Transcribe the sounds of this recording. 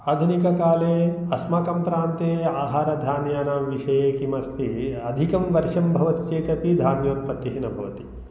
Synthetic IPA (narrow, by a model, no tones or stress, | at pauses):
aːd̪ʱunikɐkaːleː | ɐsmaːkɐmpɾaːnt̪eːaːɦaːɾɐd̪ʱaːnjaːnaːmʋiʃɐjeːkimɐst̪iɐd̪ʱikɐmʋɐɾʂɐmbʱɐʋɐt̪i̥t͡ʃeːt̪ɐpid̪ʱaːnjoːt̪̚pɐt̪ːiɦinɐbʱɐʋɐt̪i̥